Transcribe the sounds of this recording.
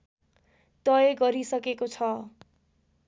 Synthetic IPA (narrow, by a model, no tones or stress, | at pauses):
t̪ʌjeɡʌɾisʌkekot͡sʰʌ